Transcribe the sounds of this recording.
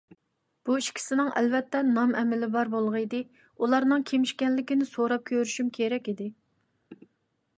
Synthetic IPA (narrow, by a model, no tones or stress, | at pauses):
b̥uiʃkʲʰi̥sɪnɪŋʔɛ̰lvɛt̪ːɛnɑmʔɛmɪlɪbɑɾbolˠʁəid̪ɪ | ulˠɑɾnɨŋkʲʰemɪʃkʲɛnlɪkʲɪnɪsoɾɑp̚kʲʰøɾyʃymkʲʰeɾɛkʲid̪ɪ